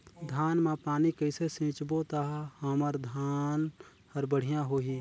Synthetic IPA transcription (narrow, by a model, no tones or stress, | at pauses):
d̪ʱaːnmãpaːnikəɪsesẽːt͡ʃbot̪aɦhəməɾd̪ʱaːn | həɾbəɽ̤ijãɦoːɦi